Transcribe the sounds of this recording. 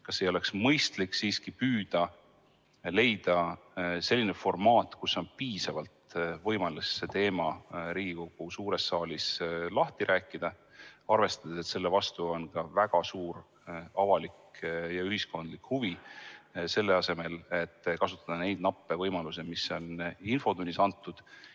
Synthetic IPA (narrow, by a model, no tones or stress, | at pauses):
kɑsːejo̞le̞ksmɤjst̪likːsiːskipyːd̪̥ɑ | le̞jd̪̥ɑse̞lʲːine̞fo̞rmɑːt̪ːˑkusːo̞npiːsɑvɑlt̪vɤjmɑlːesse̞t̪e̞ːmɑɾiːɡ̥iko̞ɡ̥usuːɾe̞sːɑːlislɑht̪iɾʔæːkːˑid̪̥ɑ | ɑrve̞st̪ɑd̪̥ese̞t̪se̞lːevɑst̪uo̞nkɑvæɡ̥ɑsuːɾ | ɑvɑlikjɑyhisko̞nd̪likhuvi | se̞lːe̞ɑse̞me̞le̞t̪ːkɑsut̪ːˑɑd̪̥ɑne̞jd̪̚nɑpˑːe̞vɤ̞jmɑlusemiso̞ninfo̞d̪̥unʲːisɑnt̪ːˑud̪̥